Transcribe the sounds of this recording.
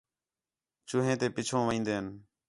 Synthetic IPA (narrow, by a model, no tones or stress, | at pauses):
t͡ʃʊɦẽːt̪eːpɪt͡ʃʰõːʋəĩːnd̪eːən